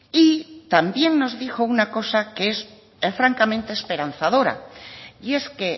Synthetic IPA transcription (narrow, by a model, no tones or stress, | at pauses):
it̪ambje̞ŋno̞zðixo̞unako̞sakees | fɾaŋkamẽnt̪e̞ːspe̞ɾan̟θaðo̞ɾa̰ie̞ske̞